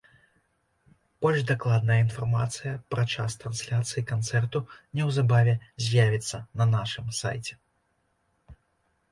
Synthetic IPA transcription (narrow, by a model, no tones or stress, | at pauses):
b̥ɔlʲʐd̪aklˠad̪̚nɐjɐinfarmat̪sɨjɐpɾat͡ʂast̪ɾɐnsʲlʲat̪sɨjikant̪sɛrt̪unʲɛwzabavʲɛzʲjavʲit̪sːɐnɐnaʂɨmsa̰jt͡sʲɛ